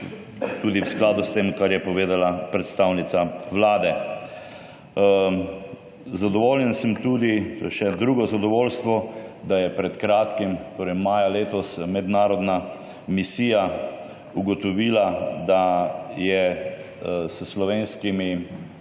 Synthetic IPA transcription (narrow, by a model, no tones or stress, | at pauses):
t̪uːd̪iwsklaːd̪ʊst̪emkaɾjɛpɔʋeːd̪alapɾɛt̪st̪awnit̪saʋlaːd̪ɛ | zad̪ɔʋoːljɛnsəmt̪uːd̪it̪o̰ːjɛʃɛd̪ɾuːɡɔzad̪ɔʋoːlst̪ʋɔd̪ajɛpɾɛt̪kɾaːt̪kimt̪oːɾɛjmaːjaleːt̪ɔsmɛd̪naːɾɔd̪na | misiːja | uɡɔt̪ɔʋiːlad̪ajɛ | səslɔʋeːnskimi